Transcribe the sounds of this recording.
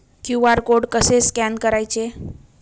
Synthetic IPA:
kjuaɾkoɽkəseskɛnkəɾajt͡ɕe

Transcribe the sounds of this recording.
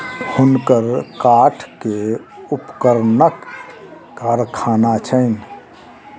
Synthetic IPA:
hʊnkəɾkaːʈʰkeʊpkəɾnək | ɡəɾkʰaːnat͡ʃʰəɪn

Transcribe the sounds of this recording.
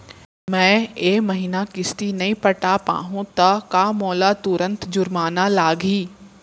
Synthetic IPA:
mɛ̃ːeːmɐɦiːnakɪst̪inɐĩpɐʈaːpa̰ːɦũt̪ɐkamɔːlat̪ʊɾə̃nt̪d͡ʒʊɾmaːnalaːɡiː

